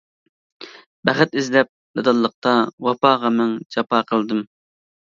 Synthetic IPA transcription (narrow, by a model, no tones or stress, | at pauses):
b̥æχt̪ɪzlɛp̚d̪ɨd̪ɑlˠːəq̚t̪ɑwɑpɑːʁɑmɛŋd͡ʒɑpɑːqʰəlˠd̪ɨm